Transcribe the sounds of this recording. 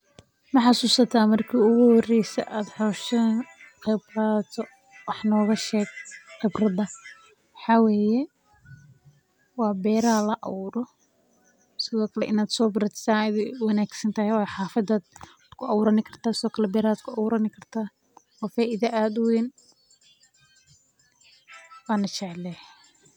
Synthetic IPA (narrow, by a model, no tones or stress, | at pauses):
mɐħɑsuːsɐt̪ʰaːmɐrkʰiːʊɣʊhɔrɛjsɛ̰ʔaːd̪ħɔːʃɐqɪbrɐt̪ʰɔ | wɑħnɔːɣɐʃɛːɡ̚qɪbrɐðɐ | wɑħɑwɛːjɛ | wɑːbɛːɾalɐʔɑ̰uɾɔ | sɪðɔːkʰɐlɛʔɪnaːd̪sɔːbɪɾɐt̪saːðɛwɑnaːɡsɐnt̪ʰɐhɛwħɑːfɐd̪aːd̪̚ | d̥̪kʰʊɑwʊɾɐnɪkʰɐrt̪ʰaːsɪðɔːkʰɐlɛbɛːɾaːd̪̚kʰʊɐwuːɾɐnɪkʰɐrt̪ʰaː | wɑːfaːʔɪðɐʔaːd̪ʊwɛːn | waːnɐt͡ʃɛʕlɛh